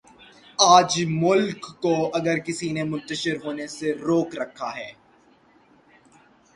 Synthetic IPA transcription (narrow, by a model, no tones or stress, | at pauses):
aːd͡ʒmʊlkːoɐɡəɾkɪsinemʊ̃nt̪əʃɪɾɦoːneseɾoːkɾɐkʰːaɦɛː